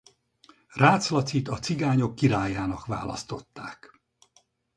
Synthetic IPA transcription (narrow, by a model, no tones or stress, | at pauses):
raːt̪slɒt̪sit̪ɒt̪siɡaːɲo̞kːiɾaːjaːnɒkʋa̰ːlɒ̰st̪o̞t̪ːaːk